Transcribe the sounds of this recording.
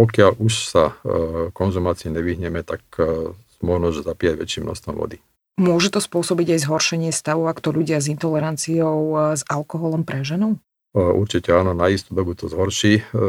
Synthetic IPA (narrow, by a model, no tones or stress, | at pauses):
pɔkɪaʎʔuʃsa̰kɔnzumaːt͡siɛɲɛʋiɦɲɛmɛt̪ak | mʊɔʒnɔʒzapijaɟʋɛ̰t͡ʃiːmnɔ̰st̪ʋɔmʋɔ̰d̪i | mʊɔʒɛt̪ɔspʊɔsɔbiɟajzɦɔɾʃɛɲɪɛst̪aʋɔʊakt̪ɔʎuɟɪazint̪ɔlɛɾant͡siɔʊzalkɔɦɔlɔmpɾɛʒɛnɔʊ | ʔṵɾt͡ʃicɛaːnɔnaist̪uːd̪ɔbut̪ɔzɦɔɾʃiː